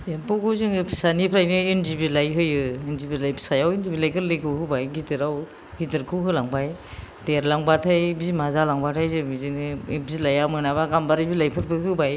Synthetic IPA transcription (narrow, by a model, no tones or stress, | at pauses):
jabɯkʰɯzɯŋɯpʰi̥sanipʰɾajnɯendibilajɦɯjɯendibilajpʰi̥sajawendibilajɡɯɾlɯjkʰɯwhɯbajɡidɯɾaw | ɡidɯɾkʰɯwɦɯlaŋbaj | deɾlaŋbatʰajbizimazalaŋbatʰajzɯbizinɯbizlajamɯnaβaɡambaɾibilajpʰɯɾbɯɦɯbaj